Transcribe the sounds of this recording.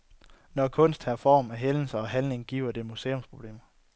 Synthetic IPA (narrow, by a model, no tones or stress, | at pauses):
nɒkʰɔ̽n̰sd̥hæɐfɒ̰ːmæɦeln̩səɒ̽ɦænne̝ŋɡ̥ḭːʊɐd̥e̝muse̝ːɔ̽mspʰʁo̝b̥le̝̰ːmɐ